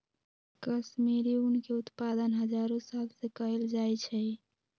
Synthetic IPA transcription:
kəsmeɾiunkeut̪pad̪ənɦəd͡ʒaɾosalsekəɦeld͡ʒajt͡ʃʰɛ

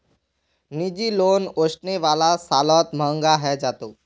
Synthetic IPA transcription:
nid͡ʒiloːnoːʃneʋaːlasaːlɔːt̪mə̃ŋɡaɦɛd͡ʒaːt̪oː

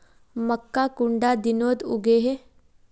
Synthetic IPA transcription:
məkːakuɳɖad̪inoːd̪ṵɡeːɦe

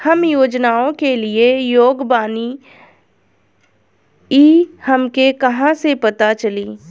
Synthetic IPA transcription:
hɐmjoːd͡ʒnaːõkeliejoːɡbaːni | iːhɐmkekɐɦãsepɐt̪at͡ʃɐliː

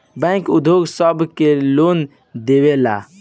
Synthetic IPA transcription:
bɛ̃kud̪ʱjoɡsəbʱkelon | d̪ewela̰

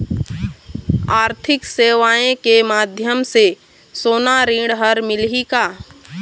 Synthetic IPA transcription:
aːɾt̪ʰɪkseːʋaːẽkemaːd̪ʱjəmse | soːnaɾĩːɽɦəɾmɪlɦikaː

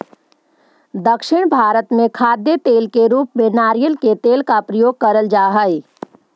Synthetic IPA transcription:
d̪əkʃɪɽ̃bʱaːɾət̪mẽkʰaːd̪jət̪eːlkeɾuːpmẽnaːɾijəlket̪eːlkapɾəjoːɡ̚kɐɾəld͡ʒaːɦəi

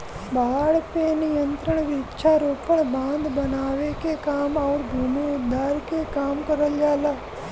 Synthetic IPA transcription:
baːɽɐpeːnijɐnt̪ɾɐɳɐʋitːt͡ʃʰaːɾuːpɐɳbaːnd̪bɐnaːʋeːkekaːmɐʋɾbʱumiud̪ʱːaːɾkekaːmkɐɾɐljaːlɐ

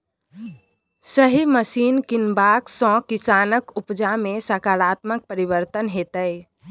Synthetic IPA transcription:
səɦiməsinkinbaksɔ̃kisanəkupd͡ʒamesakaɾat̪mək̚pəɾibəɾt̪ənɦet̪əj

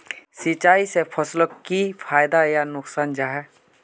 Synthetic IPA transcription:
sit͡ʃaːisepʰəsləipʰaːjd̪ajanʊksaːnd͡ʒaːɦɛ

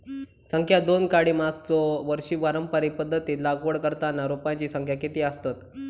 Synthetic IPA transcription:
səŋkʰjad̪onkaɽiːmaɡ̚t͡sɔʋəɾɕiːʋaɾəmpəɾipəd̪ʱːət̪iːlaɡʋəɭkəɾt̪anːaɾupaɲt͡ɕiːsəŋkʰjakit̪iːəst̪at̪

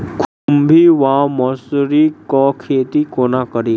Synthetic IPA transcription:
kʰumbʱiʋãmɔsɾikɔkʰeːt̪ikoːnakəɾi

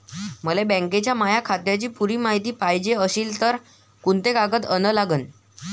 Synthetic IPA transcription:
m̤əlebɛ̃ŋket͡ɕjamajakʰat̪jat͡ɕiːpuɾiːmaɦit̪iːpajd͡ʑeəɕiːlt̪əɾ | kunt̪ekaɡət̪ənəlaɡən

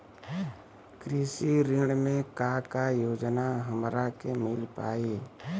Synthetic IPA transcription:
kɾiːsiɾɪɽmẽkakajoːd͡ʒnaɦəmɾakemɪlpa̰ːi

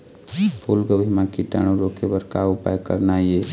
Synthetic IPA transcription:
pʰulɡəʋʱimãkiʈa̰ɳ̃uɾokʰebəɾkaʊpa̰jkə̰ɾnaie

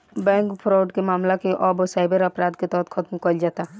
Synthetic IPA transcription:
bɛ̃ːŋkpʰɾɔːɖkemaːmlakeʔɔːbosaːɪbəɾɐpɾaːd̪ket̪ɔːɦt̪xʰɐt̪mkəld͡ʒaːt̪a

